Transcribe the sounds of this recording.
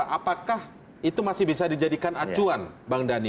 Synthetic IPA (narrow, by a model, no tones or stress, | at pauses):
ʔapakah | it̪umasɪhbis̬adid͡ʒadikanat͡ʃuanbaŋdani